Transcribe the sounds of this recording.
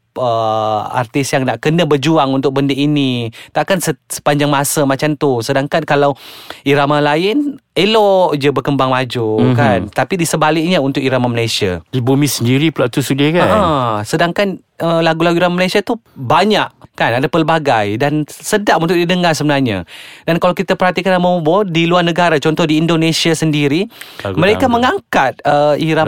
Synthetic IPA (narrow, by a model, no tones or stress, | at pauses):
əa̰rt̪ɪsjaŋnaʔkənəbərd͡ʒuaŋunt̪ʊk̚bəndəinit̪aʔkansəsə̥paɲd͡ʒaŋmasəmat͡ʃamt̪usədaŋkankalawiɾamalaɪnelɔʔd͡ʒəbərkəmbaŋmad͡ʒukant̪apidisəbalɪʔ̚ɲəunt̪ʊkiɾamaməlajsia̰dibumisəndiɾipulaʔt̪usudakaəəsədaŋkan | əlaɡulaɡuiɾamməlajsiat̪ubaɲaʔkanadapəlbaɡajdansədaʔunt̪ʊʔ̚didəŋarsəbənarɲa̰dankalawkit̪apərɦat̪ikanlamaubɔdiluarnəɡaɾat͡ʃɔnt̪ɔhdiːndonesiasəndiɾiməɾekaməŋaŋkat̪̚əiɾa